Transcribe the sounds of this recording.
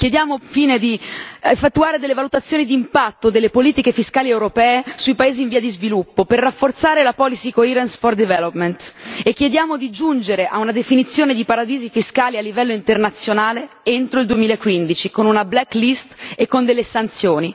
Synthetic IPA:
k̟jed̪jaːmofiːned̪iefːet̪ːuaːɾed̪elːevalut̪at̪sːjoːnid̪impat̪ːod̪elːepoliːt̪ikefiskaːliewɾopɛːesuipaeːziːɱviːad̪izvilupːoperːafort̪saːɾelapɔːlisikoiɾensfɔrd̪ivɛlopment̪ekːjed̪jaːmod̪id͡ʒund͡ʒeɾeʔaunad̪efinit̪sːjoːned̪ipaɾad̪iːzifiskaːlialːivɛlːoint̪ernat̪sːjonaːle | ent̪ɾoild̪uemiːlaekːwind̪it͡ʃikonunablɛkːlist̪ekːond̪elːesant̪sjoːni

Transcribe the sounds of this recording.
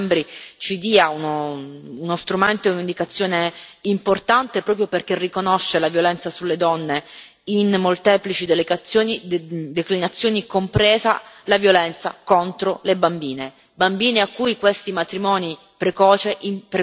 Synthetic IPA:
mbɾit͡ʃid̪iːaunoːnost̪ɾument̪oeunind̪ikat̪sːjoːneimport̪ant̪epɾɔːpɾjoperk̟erːikonoʃːelavjolɛnt̪sasulːed̪ɔnːe | inːolt̪ɛːplit͡ʃid̪eleɡat̪sjoːnid̪eklinat̪sːjoːnikompɾɛːza̰lavjolɛnt̪sa̰kont̪ɾolebambiːne | bambiːneakːujkwest̪imat̪ɾimɔːni | pɾekɔːt͡ʃeʔimpɾe

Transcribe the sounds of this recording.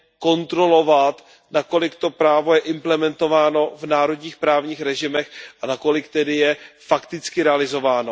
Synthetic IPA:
ko̞nt̪ɾo̞lo̞vat̪ | nako̞lɪkt̪o̞pɾaːvo̞jɛʔɪmplɛmɛnt̪o̞vaːno̞vnaːɾo̞dɲiːxpɾaːvɲiːxɾɛʒɪmɛxʔanako̞lɪkt̪ɛdɪjɛfakt̪ɪt͡skɪɾɛalɪzo̞vaːno̞

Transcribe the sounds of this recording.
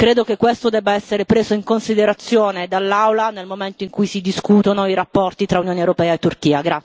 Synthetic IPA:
kɾeːd̪okekːwest̪od̪ɛbːaɛsːeɾepɾeːzoiŋkonsid̪eɾat̪sːjoːned̪alːawlanelmoment̪oiŋkujsid̪iskuːt̪onoiɾapːɔrt̪it̪ɾaunjoːnewɾopɛːaet̪ːurk̟iːaɡɾa

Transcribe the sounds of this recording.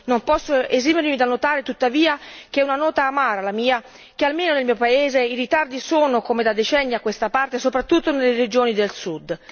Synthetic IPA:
nompɔsːoezimeɾmid̪anːot̪aːɾet̪ut̪ːaviːak̟eɛunanɔːt̪aːmaːɾalamiːa | kealmeːnonelmiːopaeːzeiɾit̪ard̪isoːnokomed̪ad̪ːet͡ʃɛnːiakːwest̪apart̪esopɾat̪ːut̪ːonelːeɾed͡ʒoːnid̪elsud̪

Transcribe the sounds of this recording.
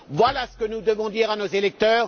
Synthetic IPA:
vwalasə̥kənud̪əvɔ̃d̪iʁanozelɛk̚t̪œːʁ

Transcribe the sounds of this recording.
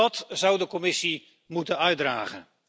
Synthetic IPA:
ɑtzʌwdəkɔmɪsi | mutənœɥdra̰ːχə̰n

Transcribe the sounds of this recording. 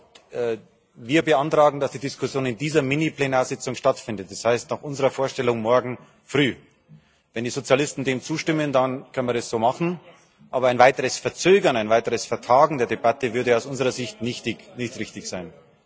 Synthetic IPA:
viːɐbəantʁ̥aːɡŋ̩dasd̥iːdɪskʰʊsjoːnɪndiːzɐmɪniplenaːɐzɪt͡sʊŋʃtatfɪndət̚d̥ashaɪstnaχʔʊnzəʁɐfoːɐʃtɛlʊŋmɔɐɡŋ̩ | fʁyː | vɛndiːzot͡sjalɪstn̩deːmt͡suːʃtɪməndankʰœnmiːɐɛsz̥oːmaχn̩ | ʔaːbɐaɪnvaɪtəʁəsfɛɐt͡søːɡɐnaɪnvaɪtəʁəsfɛɐtʰaːɡŋ̩deːɐdebatəvʏɐdəaʊsʊnzəʁɐzɪçtnɪçtɪçnɪçtʁɪçtɪçz̥aɪn

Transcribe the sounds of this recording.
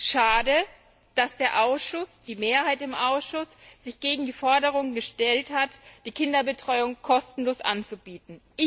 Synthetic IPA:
ʃaːdə | d̥asd̥eːɐʔaʊsʃʊsd̥iːmeːɐɦaɪtɪmʔaʊsʃʊsz̥ɪçɡ̥eːɡŋ̩diːfɔɐdəʁ̞ʊŋənɡəʃtɛlthatd̥iːkʰɪndɐbətʁ̥ɔʏʊŋkʰɔstn̩loːsʔa̰nt͡subiːtn̩ʔɪ

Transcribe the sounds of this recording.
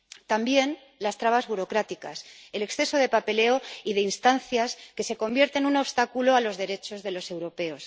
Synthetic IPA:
t̪ambje̞n | last̪ɾaβ̞azβuɾo̞kɾat̪ika̰se̞le̞ksθe̞so̞ð̞e̞pape̞le̞o̞iðe̞inst̪anθjaske̞se̞ko̞mbje̞ɾt̪e̞nuno̞βst̪akuloalo̞zðe̞ɾe̞t͡ʃo̞zðe̞lo̞se̞wɾo̞pe̞o̞s

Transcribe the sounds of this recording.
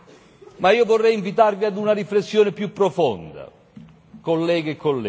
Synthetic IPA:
maiːovorːɛjiɱvit̪arviad̪unaɾiflesːjoːnɪpjupːɾofond̪a̰ | kolːɛːɡeekːolːɛ

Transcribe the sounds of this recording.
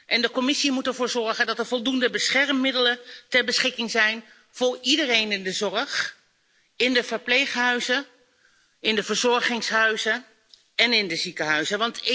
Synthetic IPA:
ʔɛndəkɔmɪsimutɛɹvʊːɹzɔɹχəndɑtəɹvɔlˠdundəbəsχɛɹmːɪdələtɛɹbəsχɪkɪŋzɛjn | v̥ʊːɹidərejnɪndəzɔrəχ | ɪndəvəɹplejχɦœɥzə | ɪndəvəɹzɔɹχɪŋsɦœɥzə | ɛnɪndəzikəɦœɥzəʋɑntɪ

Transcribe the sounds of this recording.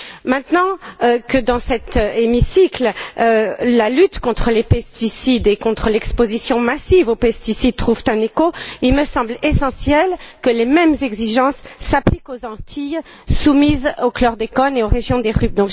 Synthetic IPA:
mɛ̃t̪nɑ̃kəd̪ɑ̃sɛt̪emisiklølalyt̪kɔ̃t̪χəlepɛst̪isid̪ekɔ̃t̪χəlɛkspozisjɔ̃masivopɛst̪isid̪̚t̪χuv̥t̪ɛ̃nekoilməsɑ̃blesɑ̃sjɛlkəlemɛmzɛɡziʒɑ̃sːaplikozɑ̃t̪ʰij | sumizoklɔʁd̪ekɔneoʁeʒjɔ̃d̪eʁyb̚d̪ɔ̃k

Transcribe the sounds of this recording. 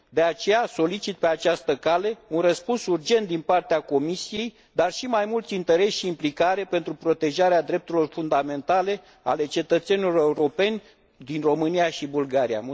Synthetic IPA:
d̪e̞at͡ʃe̞jaso̞lit͡ʃit̪̚pe̞at͡ʃast̪əkale̞unrəspunsurd͡ʒe̞nt̪̚d̪inpart̪eako̞misije̞j | d̪arʃimajmult̪sʲint̪eɾe̞ʃʃiːmplikaɾe̞pe̞nt̪ɾupɾo̞t̪e̞ʒaɾead̪ɾe̞p̚t̪uɾilo̞rfund̪ame̞nt̪ale̞ | a̰le̞t͡ʃe̞t̪ət̪se̞nilo̞reuɾo̞pe̞nʲ | d̪inro̞mɨnijaʃibulɡaɾija̰

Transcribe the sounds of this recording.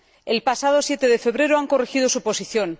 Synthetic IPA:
e̞lpasað̞o̞sje̞t̪e̞ðe̞fe̞β̞ɾe̞ɾoaŋko̞rexið̞o̞supo̞siθjo̞n

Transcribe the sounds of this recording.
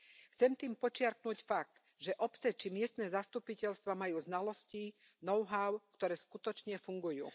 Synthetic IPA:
xt͡sɛmt̪iːmpɔt͡ʃɪaɾknucfak̚t̪ | ʒɛʔɔpt͡sɛt͡ʃimɪɛst̪nɛːzast̪upicɛʎst̪ʋamajuːznalɔsci | nɔʊɦaʊkt̪ɔɾɛːskut̪ɔt͡ʃɲɛfuŋɡujṵː

